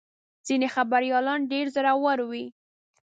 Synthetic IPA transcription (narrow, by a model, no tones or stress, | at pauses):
z̥inexabaɾjɑlɑnɖeɾzəɾawaɾwi